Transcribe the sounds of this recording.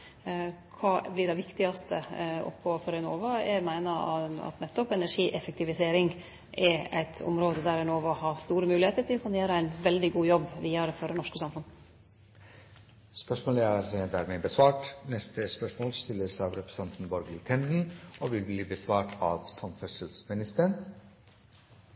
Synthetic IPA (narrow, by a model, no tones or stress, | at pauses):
kʰɑːblɪɖæʋɪkt̪ɪɡɑst̪ʰə̰ʔɔ̰pːɡoːfɔɾɛnoːʋɑɛmæɪnɑɑ̰t̪nɛt̪ːɔpɛnæʂiːʔɛfəkt̪ɪʋɪseːɾɪŋ | ʔɛæ̰ɪt̪ʰɔ̰mɾoːd̪əd̪æɾɛnoːʋɑhɑst̪uːɾəmʉːlɪheːt̪əʈ̪ʰɪlɔkʰʉnjeːɾəæɪnʋɛld̪ɪɡuːjɔbːʋiːɑɾəfɔɾɛnɔʂkəsɑmfʉn | spœʂmoːləæːɾd̪æːɾmeːbəsʋɑːʈnɛst̪əspœʂmoːlst̪ɪlːəsɑːʋɾɛpɾɛ̥sɑnt̪n̩bɔɾɡət̪ʰɛnd̪n̩oːʋɪlbliːbəsʋɑːʈʰɑːʋsɑmfœsəlsmɪnɪst̪əəɳ